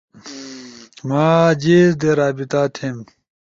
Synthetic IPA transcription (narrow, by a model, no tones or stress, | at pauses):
maːd͡ʑizd̪eɾaːbit̪aːt̪ʰem